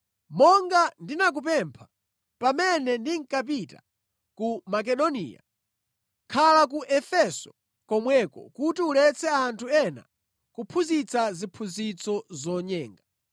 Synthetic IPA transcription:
mɔŋɡandinak̬up̬ɛmpʰḁ | pamɛnɛndiŋ̩kap̬ita̰ | kumak̬ɛɗɔnḭːja̰ | kʰalak̬uʔɛfɛsɔ̥ | kɔmwɛkɔ̰kutiulɛt͡sʰɛantʰuɛna̰ | kupʰuzit͡sazipʰuzit͡sɔzɔɲɛːŋɡa

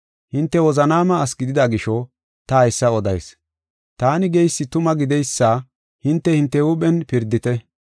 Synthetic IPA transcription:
hɪnt̪ːɛwɔzɐnaːmɐːsɡɪd̪ɪd̪aɡɪʃɔ | t̪ɐɐjsːɐɔd̪ɐ̰js | t̪aːnɪɡɛjsːɪt̪ʊmɐɡɪd̪ɛjsːaː | hɪnt̪ːɛhɪnt̪ːɛuɓɛnpɪɾd̪ɪt̪ɛ

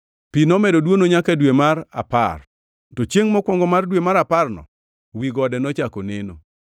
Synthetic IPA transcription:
pinɔmɛdodwonoɲakadwemaɾa̰pa̰r | tɔt͡ʃjeŋmɔkwɔŋɡɔmardwemaɾaparnɔ̰ | wiɡɔdɛnɔt͡ʃakoneno

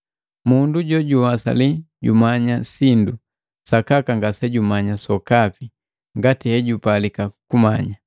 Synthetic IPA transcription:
munduɟɔɟuwasa̰li | ɟṵmaɲasindu | sakakaŋɡasɛɟumaɲasɔkapi | ŋɡatihɛɟupalikakumaɲa

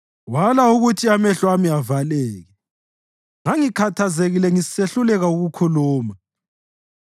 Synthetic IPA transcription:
walauɣutʰiamɛɬwamiavalɛːɣɛ | ŋaŋikʰatʰazeɣilɛŋiseɬulɛɣauɣukʰuluːma

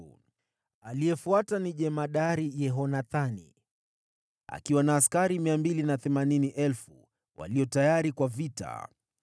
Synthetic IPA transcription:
alijɛfuataniʄɛmaɗaɾijɛɦɔnaθanḭ | a̰kiwanaːskaɾimiambilinaθɛmaniniʔɛlfṵ | wa̰liɔtajaɾikwavita̰

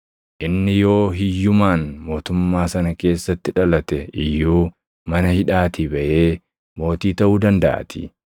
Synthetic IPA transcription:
ʔɪnːɪjo̞ːɦɪjːʊmaːnmo̞ːt̪ʊmːaːsɐnɐke̞ːsːɐt̪ːɪᶑɐlɐt̪ɛɪjːuː | mɐnɐhɪᶑaːt̪ɪbɐʔe̞ː | mo̞ːt̪iːt̪ɐʔuːd̪ɐnd̪ɐʔɐ̰t̪ʰɪ̰

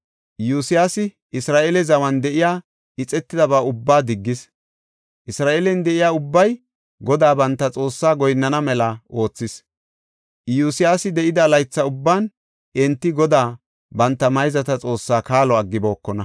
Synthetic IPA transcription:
juːsɪjaːsɪ | ʔɪsɾaːʔelɛzɐwɐnd̪ɛʔɪjaː | ɪt͡sʼɛt̪ːɪd̪ɐbaːʊbːaːd̪ɪɡːɪs | ʔɪsɾaːʔeːlɛnd̪ɛʔɪjaːʊbːɐj | ɡɔd̪aːbɐnt̪ːɐt͡sʼo̞ːsːaːɡɔjnːɐnɐmɛlɐʔo̞ːt͡sːɪs | juːsɪjaːsɪd̪ɛʔɪd̪ɐlɐjt͡sːɐʊbːaːn | ɛnt̪ːɪɡɔd̪aː | bɐnt̪ːɐmɐjzɐt̪ɐt͡sʼo̞ːsːaːkaːlɔɐɡːɪbo̞ːkːɔnɐ

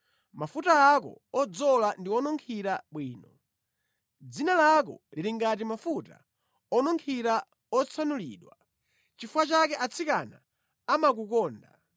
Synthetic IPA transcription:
mafutaakɔ̰ɔd͡zɔlandiwɔnɔŋkʰiɾaɓwiːnɔ | d͡zinalak̬ɔ̰liɾiŋɡat̬imafuta̰ | ɔnɔŋkʰiɾa | ɔt͡sʰanuliːɗwa | t͡ʃifuwat͡ʃakɛʔat͡sʰikana | amak̬ukɔːnda̰

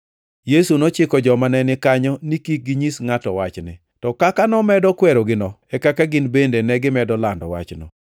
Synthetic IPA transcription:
jesunot͡ʃɪkɔd͡ʒɔmanɛnɪkaɲɔnikik̚ɡiɲisŋatɔwat͡ʃnɪ̰ | tɔkakanɔmɛdɔkwɛɾɔɡɪnɔɛkakaɡɪnbendenɛɡɪmɛdɔlandɔ̰wa̰t͡ʃnɔ̰

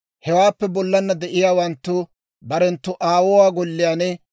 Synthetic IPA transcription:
hɛwaːpːɛbɔlːɐnːɐd̪ɛʔɪjaːwɐnt̪ːʊ | bɐɾɛnt̪ːʊʔaːwɔwaːɡɔlːɪjaːnɛ

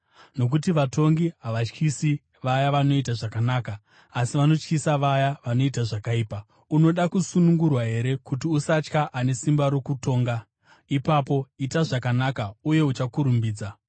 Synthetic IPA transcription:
no̞k̬utiʋato̞ŋɡiɦaʋat͡ʃkʰisi | ʋajaʋano̞itaʐakanaːkaː | siʋano̞t͡ʃkisaʋajaʋano̞itaʐakaiːpa | uno̞ɗakusunuŋɡurwaɦe̞ɾe̞kutiusat͡ʃkaʔane̞simbaɾo̞kuto̞ːŋɡa | ipapo̞itaʐakanakauje̞ut͡ʃakuɾumbiːd͡za

